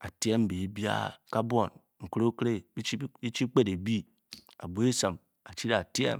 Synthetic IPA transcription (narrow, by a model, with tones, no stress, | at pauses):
a˨ti˦e˦m˦be˨˦bi˦a̰˦ka˦bʷo˨n | ŋ̩˨kɾo˦kɾe˦i˦i˦i˦t͡ʃi˦k͡pe˦de˨bi˦ | a̰˨bo˨˦e˦sa˨m | a˨t͡ʃi˦ɾa˨ti˦ḛ˦m